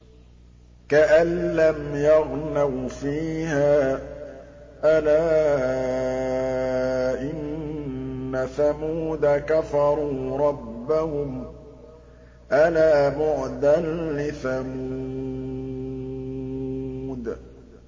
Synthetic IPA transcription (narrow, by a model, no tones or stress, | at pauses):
kaʔanːamjɑɣnawfiːhaː | ʔalaː | ʔɪnː | aθamuːd̪akafɑɾˤuːɾˤɑbːahʊm | ʔalaːbʊʕd̪anlɪθamu | d̪